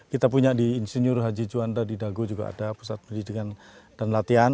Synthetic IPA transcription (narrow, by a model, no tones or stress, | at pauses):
kit̪apuɲadiːnsinʊrɦad͡ʒid͡ʒuandadidaɡud͡ʒuɡa̰a̰dapu̥sat̪̚pəndidikand̥anlat̪ian